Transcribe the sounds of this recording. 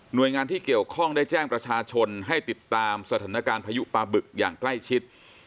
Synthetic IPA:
nu˨˩əjŋaː˧nt̪ʰiː˥˩ki˨˩əwkʰɔ˥˩ŋdaː˥˩jt͡ɕɛː˥˩ŋpɾa˧t͡ɕʰaː˧t͡ɕʰo˧nɦa˥˩jt̪i˨˩t̪ːaː˧msa˧t̪ʰaː˩˦˥na˦˧kaː˧npʰaː˧ju˦˥paː˧bɯ˨˩k̚jaː˨˩ŋkla˥˩jt͡ɕʰi˦˥t̪̚

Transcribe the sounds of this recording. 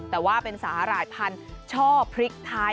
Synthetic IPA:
t̪ɛː˨˩waː˥˩pe˧nsaː˩˦ɾaː˨˩jpʰa˧nt͡ɕʰɔː˥˩pʰɾi˦˥k̚t̪ʰaː˦˥

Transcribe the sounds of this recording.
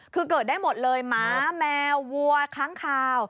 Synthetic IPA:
kʰɯː˧kəː˨˩t̚ɗaː˥˩jmo˨˩t̪̚lɤː˧jmaː˨˦˥mɛː˧wːu˧ɐkʰaː˦˥ŋkʰaː˧˩w

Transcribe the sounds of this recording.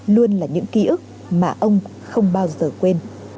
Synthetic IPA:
lu˧ənlaː˨˩ɲɨ̰˧˥ŋki˧˦ʔɨ˦˥k̚ | maː˨˩ʔə˧wŋ͡m | xə˧wŋ͡mɓaː˧wzəː˨˩kwe˧n

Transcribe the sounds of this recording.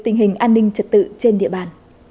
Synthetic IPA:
t̪ï˨˩ŋ̟ɦï˨˩ŋ̟ʔaː˧nːï˧ŋ̟t͡ɕə˨˩t̚t̪ɨ̰˧˨t͡ɕe˧nɗḭ˧˨əɓaː˨˩n

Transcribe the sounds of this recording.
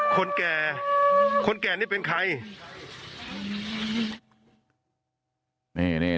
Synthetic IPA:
kʰo˧nkɛː˨˩ | kʰo˧nkɛː˨˩niː˥˩pe˧nkʰa˧j | niː˥˩niː˥˩

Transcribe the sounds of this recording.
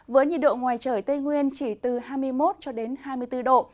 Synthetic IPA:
vəː˨˦jɲḭ˧˨ɗo̰˧˨ŋwaː˨˩jt͡ɕəː˧˩jt̪ə˧jŋwi˧ənt͡ɕi˧˩t̪ɨ˨˩haː˧jmɨ˧əjmo˦˥t̚t͡ɕɔ˧ɗe˨˦nhaː˧mɨ˧əjt̪ɨ˧ɗo̰˧˨

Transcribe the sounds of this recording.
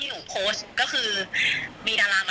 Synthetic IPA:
juː˨˩pʰoː˦˥skɔː˥˩kʰɯː˧ | miː˧naː˧laː˧ŋma˧

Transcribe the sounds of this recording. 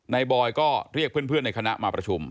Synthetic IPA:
na˧jbɔː˧jkɔː˥˩ɾi˥˩k̚ʰɯ˥˩ənpʰɯ˥˩əna˧jkʰa˧na̰˦˥ʔmaː˧pɾa˧t͡ɕʰu˧m

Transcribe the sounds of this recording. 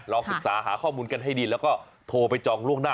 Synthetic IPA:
ɾɔː˧sɯ˨˩k̚saː˩˦ɦaː˩˦kʰɔː˥˩muː˧nka˧nɦa˥˩jdiː˧lɛː˦˥wkɔː˥˩ | t̪ʰoː˧pa˧jt͡ɕɔː˧ŋɾu˥˩əŋnaː˥˩

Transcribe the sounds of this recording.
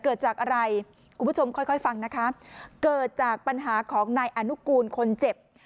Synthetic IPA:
kɤː˨˩t̪̚t͡ɕaː˨˩k̚ʔa˧ɾa˧j | kʰu˧mbʰt͡ɕʰo˧mkʰɔ˥˩jkʰɔ˥˩jfa˧ŋna˦˥kʰa˦˥kɤː˨˩t̪̚t͡ɕaː˨˩k̚pa˧nɦaː˩˦kʰɔː˩˦ŋnaː˧jʔa˧nu˦˥kuː˧nkʰo˧nt͡ɕe˨˩p̚

